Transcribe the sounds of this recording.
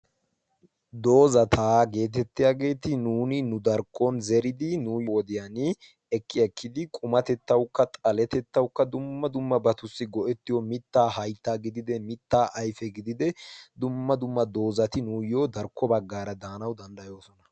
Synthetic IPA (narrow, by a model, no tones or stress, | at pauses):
d̪o̞ːzɐt̪ʰaːɡe̞ːt̪̬ɛt̪ːɪjaːɡe̞ːt̪ɪnuːnɪnʊd̪ɐɾkʰːɔnzɛɾɪd̪ɪnuːjwɔd̪ɪjanɪ | ɛkːɪjɐkːɪd̪ɪkʼʊmɐt̪ɛt̪ːɐwkːɐt̪ʼɐlɛt̪ɛt̪ːɐwkːɐd̪ʊmːɐd̪ʊmːɐbɐt̪ʊsːɪɡɔʔɛt̪ːɪjɔmɪt̪ːaːhɐjt̪ːaːɡɪd̪ɪd̪ɛmɪt̪ːaːʔɐjfɛɡɪd̪ɪd̪ɛd̪ʊmːɐd̪ʊmːɐd̪o̞ːzɐt̪ɪnuːjoːd̪ɐɾkʰːɔbɐɡːaːɾɐd̪aːnɐwd̪ɐnd̪ɐjo̞ːsɔnɐ̥